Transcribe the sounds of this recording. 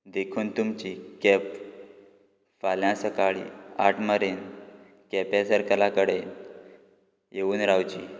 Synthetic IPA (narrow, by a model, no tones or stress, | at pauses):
d̪ekʰuːnt̪umt͡ɕikɛp | faljãsəkaɭḭa̰ʈʰməɾen | kɛpasəɾkəlakəɽe | jeʋuːnɾawt͡ɕḭː